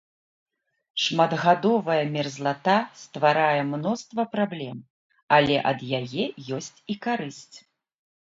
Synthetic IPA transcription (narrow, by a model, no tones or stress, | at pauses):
ʂmad̪ɣad̪ɔvɐjɐmʲɛrzlˠat̪ast̪vaɾajɛmnɔst̪vɐpɾablʲɛm | alʲɛ̰ʔɐd̪jajɛjɔsʲt͡sʲikaɾɨsʲt͡sʲ